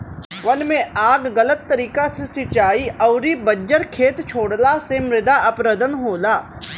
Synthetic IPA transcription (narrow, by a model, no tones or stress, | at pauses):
ʋɐnmẽaːɡːələt̪ːɐɾiːkasesɪt͡ʃaːiɐʊɾibəɲd͡ʒəɾkʰeːt̪t͡ʃʰoːɽlasemɾɪd̪aɐpɾəd̪ənɦoːlaː